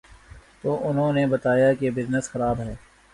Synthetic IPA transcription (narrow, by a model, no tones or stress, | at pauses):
t̪oːʔʊnɦõnebɐt̪aːjakebɪznəsxɐɾaːbɦɛː